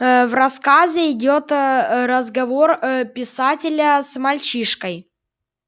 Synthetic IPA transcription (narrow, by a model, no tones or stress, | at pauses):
vrɐskazʲɪɪdʲo̞t̪ɾəzɡɐvo̞rpʲɪsatʲɪlʲəsmɐlʲt͡ɕiʂkəj